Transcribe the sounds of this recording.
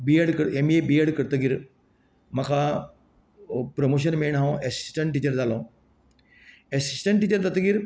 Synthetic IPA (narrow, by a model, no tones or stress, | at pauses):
bieɽkəɾemiebieɽkəɾt̪əɡiɾ | mɐkʰa | pɾomoːʃ̬ɐnmeɳɦãõʔesi̥sʈəɳʈʈːiːt͡ɕəɾd͡zaːlõː | esisʈəɳʈːiːt͡ɕəɾd͡z̪at̪əɡiɾ